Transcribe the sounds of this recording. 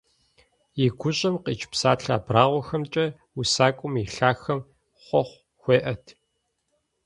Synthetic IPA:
jɪɡʷʊɕʼɐmqiːt͡ʃʰʼpsaːɬʰaːbraːʁʷɔxɐmt͡ʃʼɐ | usaːkʷʼʊmiɬaːxɐm | χʷɔχʷ | xʷeːʔɐtʰ

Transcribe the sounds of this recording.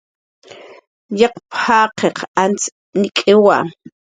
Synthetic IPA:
jɑqphaːqʰeqant͡s | nikʼewa

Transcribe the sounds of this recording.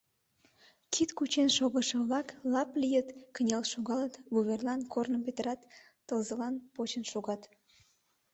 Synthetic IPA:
kʰit̪kut͡ɕenʃoɣəʃəβlɑklɑplijət̪kənʲelʃoɣɑlət̪βuβerlɑnkʰornəmpet̪əɾɑt̪ː | əlzəlɑnpot͡ɕənʃoɣɑt̪

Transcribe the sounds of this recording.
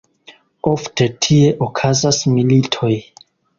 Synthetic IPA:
ofte̞tʰie̞ʔokʰazasmilitʰo̞j

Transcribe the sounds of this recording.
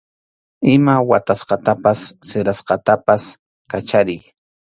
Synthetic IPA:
ɪmawat̪asqɑt̪apasːɪɾasqɑt̪apas | kat͡ʃaɾɪj

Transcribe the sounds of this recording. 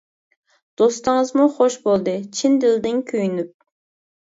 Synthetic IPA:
d̪̥ost̪ɨŋəzmuχoʃbolˠd̪ɨt͡ʃʰind̪ɪld̪ɪnkʲʰøjynyp̚

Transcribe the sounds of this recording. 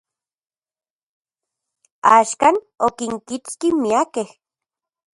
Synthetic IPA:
aːʃkan | okiŋkit͡skimiakeh

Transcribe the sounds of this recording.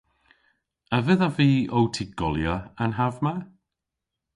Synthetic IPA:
avɪðaviːowtʰiɡ̥ɔlˠjɔanɦavma

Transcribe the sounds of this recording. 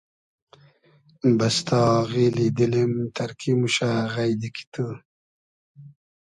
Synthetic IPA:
bast̪ɑːɣilid̪əlemt̪ɐɾkimuɕaɣajd̪iki̥t̪ʰə

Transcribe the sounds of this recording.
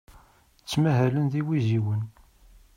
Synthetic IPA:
t͡sːmæɦælənðiwiziwən

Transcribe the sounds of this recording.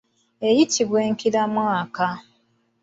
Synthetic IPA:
e̞jitʰiβweːŋkiɾamwaːka

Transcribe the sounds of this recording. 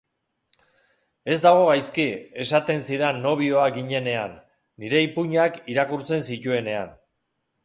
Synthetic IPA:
e̞zd̪aɣ̞o̞ɣajskie̞sat̪e̞nsiðanːo̞β̞io̞aɡiɲe̞ne̞anː | iɾe̞ipuɲakiɾakuɾt͡se̞nsit̪ue̞ne̞a̰n

